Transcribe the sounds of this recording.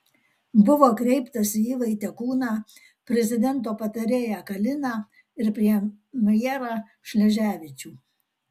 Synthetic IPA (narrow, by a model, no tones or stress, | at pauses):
bʊʋoːkɾʲɛɪpt̪ɐsʲiːlˠɐɪt̪ʲɛkuːnɑː | pʲɾʲɛzʲɪd̪ʲɛnt̪̬oːpɐt̪ɐɾʲeːjækɐlʲɪnɑ | ɪɾpʲɾʲiɛ | mɐjɛɾɑ | ʃʲlʲɛʒʲæːʋʲɪt͡ʃʲuː